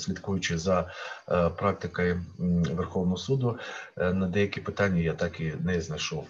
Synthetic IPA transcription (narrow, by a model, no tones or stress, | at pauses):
sʲlʲid̪kujʊt͡ʃɪzɐ | pɾɑk̚t̪ɪkɐjʊʋerxɔwnɔɦɔsud̪ʊnɐd̪ɛjɐkʲipɪt̪ɑnʲːɐjat̪ɑkinɛznɐjʃɔw